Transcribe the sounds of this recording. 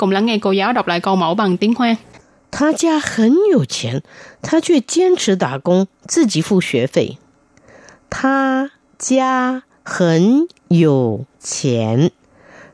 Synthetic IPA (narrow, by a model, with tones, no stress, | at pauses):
kʊ̰˨˧˥ŋ͡mla˧˥ŋːa˧jko˧jaː˨˥wɗɔ˨˩p̚la̰ː˧˨jko˧mo˧˥wɓa˨˩ŋt̪i˧˦˥əŋxwaː˧ŋ | t̪ʰa˥t͡ɕja˥xə˧˥njo˨˩ʊt͡ɕʰjɛ̰˧˥nt̪ʰa˥t͡ɕʰɥɛ˥˩t͡ɕjɛ˥nʈ͡ʂʰɻ̩˧˥t̪a˨˩kʊ˥ŋ | t͡sɹ̩˥˩t͡ɕi˨˦fu˥˩ɕɥɛ˧˥fe˥˩ɪ | t̪ʰa˥ | t͡ɕja˥ | xə˧˦n | jo˨˩ʊt͡ɕʰjɛ˧˥n